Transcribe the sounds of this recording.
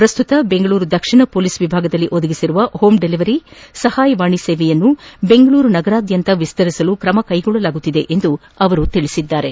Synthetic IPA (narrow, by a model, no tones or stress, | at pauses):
pɾɐst̪ut̪ɐbe̞ŋɡɐɭuːɾud̪ɐkʂiɳɐpoːlisʋibʱaːɡɐd̪ɐlːiʔo̞d̪ɐɡisiɾuʋɐho̞ːmɖeliʋɐɾisɐhaːjɐʋaːɳiseːʋɛjɐnːube̞ŋɡɐɭuːɾunɐɡɐɾaːd̪jɐnt̪ɐʋist̪ɐɾisɐlukɾɐmɐkɐjɡɔɭːɐlaːɡut̪ːid̪e̞ʔe̞nd̪u | ɐʋɐɾut̪iɭisid̪ːaːɾe̞